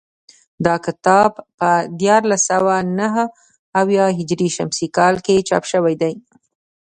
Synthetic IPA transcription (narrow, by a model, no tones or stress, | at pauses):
d̪ɑkɪt̪ɑbpəd̪jɑɾlasawanaɦə | awjɑɦɪd͡ʒɾiʃamsikɑlket͡ʃɑ̰pʃəwajd̪aj